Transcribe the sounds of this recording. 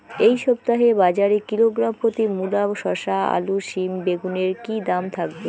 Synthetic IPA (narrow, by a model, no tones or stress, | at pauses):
ejʃɔb̚t̪aɦebad͡ʑaɾekiloɡɾampot̪imulabʃɔʃaa̰luʃimbeɡuneɾkid̪amt̪ʰak̚be